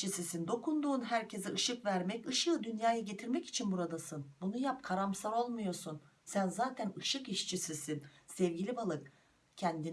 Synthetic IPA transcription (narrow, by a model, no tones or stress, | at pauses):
isisind̪o̞kʰund̪uːnɦæɾcʰe̞zɛʔɯʃɯkvæɾmɛcɯʃɯːd̪ynjaːjaɟe̞t̪ʰiɾmɛci̥t͡ʃʰinbuɾad̪asɯnbunujap̚kʰaɾamsaɾo̞lˠmujo̞sunsænzaːt̪ʰænɯʃɯkiʃt͡ʃʰisisinsɛvɟilʲibalˠɯk | cʰɛnd̪in